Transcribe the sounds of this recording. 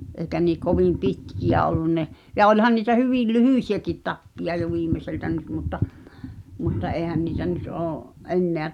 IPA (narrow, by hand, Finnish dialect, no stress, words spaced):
ʔeˑi̞kæ niː koʋim̆ pitkij̆æ olːun ne jɑ olʲhɑn niːtæ hyʋiˑl lyhyˑsiækit tɑpːij̆ɑ jo ʋiːmːeseltæ nyt mutːɑ mutːɑ ʔeːĭhæn niːtæ nyt oːʔ ʔenːeæ